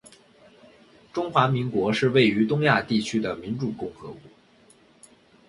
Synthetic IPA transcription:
ʈ͡ʂʊ˥ŋxwa˧˥mi˧˥ŋkwɔ˧˥ʂɻ̩˥˧we˥˩ɪy˧˥t̪ʊ˥ŋja˥˧t̪i˥˩t͡ɕʰy˥d̪ə˨mi˧˥nʈ͡ʂu˨˩kʊ˥˩ŋxɤ˧˥kwɔ˧˥˦

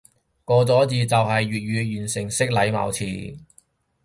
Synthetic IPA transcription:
kɔː˧t͡sɔː˨˥t͡siː˧t͡sɐ˨wɦɐ˨jɥyː˨t̚jyː˨˧jyː˨˩nsɪ˨˩ŋsɪ˥k̚lɐ˨˧jma̰ː˨wt͡sʰḭː˨˩

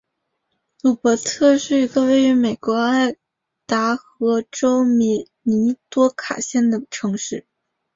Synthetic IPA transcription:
lu˨˥˩pɔ˧˥t̪ʰɤ˥˧ʂɻ̩˥˩i˧˥ɡə˧we˥˧ɪy˧˥me˨˩ɪkwɔ˧˥a˥˩ɪ | t̪a˧˥xɤ˧˥ʈ͡ʂo˥ʊmi˧˥˩ | ni˧˥t̪wɔ˥kʰa̰˨˩ɕjɛ˥˩nd̪ə˩ʈ͡ʂʰɤ˧˥ŋʂɻ̩˥˩

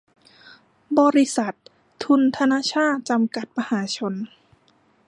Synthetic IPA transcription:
bɔː˧ɾi˧sa˨˩t̪ʰː | u˧nt̪ʰa˧naː˧˥˨t͡ɕʰaː˥˩t̪̚t͡ɕa˧mka˨˩t̪̚ma˧haː˩˦t͡ɕʰo˧n

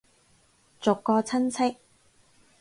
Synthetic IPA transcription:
t͡sʊ˨kːɔː˧t͡sʰɐ˥nt͡sʰɪ˥k̚

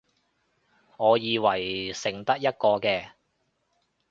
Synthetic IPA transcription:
ŋɔː˨˧jiː˨˧wɐ˨˩jsɪ˨˩ŋt̪ɐ˥k̚jɐ˥t̚kɔː˧kɛː˧

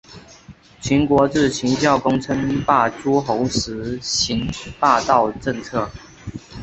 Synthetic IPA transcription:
t͡ɕʰi˧˥nkwɔ˧˥ʈ͡ʂɻ̩˥˩t͡ɕʰi˨˥ŋt͡ɕjɑ˥˨ʊkʊ˥ŋt͡sʰə˥ŋpa˥˩ʈ͡ʂu˥xo˧˦ʊʂɻ̩˧˥˦ɕi˨˥npa˥˧t̪ɑ˥˨ʊʈ͡ʂə˥˧ŋt͡sʰɤ˥˩

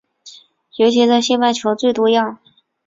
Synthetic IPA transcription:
jo˧˥ʊt͡ɕʰi˧˥ʈ͡ʂə˥˧ɕjɛ˥˧pa˥˩ɪt͡ɕʰjo˧˥t͡swe˥˩ɪt̪wɔ˥jɑ˥˩ŋ

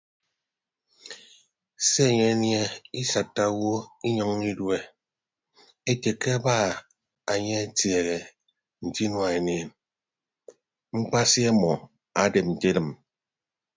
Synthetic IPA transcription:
se˦e˨ɲe˦nje˦i˦sa˨tːa˦wo˦i˦ɲɔ˦ŋi˦dwe˦ | e˦te˨ke˦a˦ba˦˨ | a˨ɲe˦a˦tje˨ɣe˨ | n̩˨ti˦nwa˨e˨neː˨n | ŋ͡m̩˦k͡pa˦si˦a˦mɔ˨ | a˨de˨p̚n̩˨te˦dɨ˨m

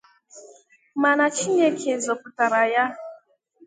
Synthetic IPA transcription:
ma˨na˨t͡ʃi˦ɲe˦kʰe˨zɔ˨pʊ˨ta˨ɾa˨ja˦

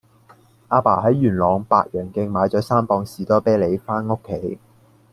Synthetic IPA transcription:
ʔaː˧pa̰ː˨˩ɦɐ˨˥jɥyː˨˩nlɔː˨˧ŋpa̰ː˧t̚jœː˨˩ŋkɪ˧ŋmaː˨˧jt͡sɔː˨˥saː˥mpɔː˧ŋsiː˨˩t̪ɔː˥pɛː˥le˨˧jfaː˥no˥kʰːe˨˥j

